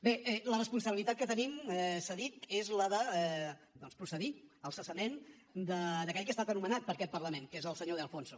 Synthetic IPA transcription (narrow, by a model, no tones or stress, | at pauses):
beɛlərəspunsəβilit̪at̪̚kət̪ənimɛsəðit̪ezləðə | d̪ɔnspɾusəðiəlˠsəsəmen | d̪əd̪əkɛʎkəest̪at̪ənumənat̪̚pəɾkɛt̪̚pəɾləmenkezəlˠsəɲoðeəlˠfonsu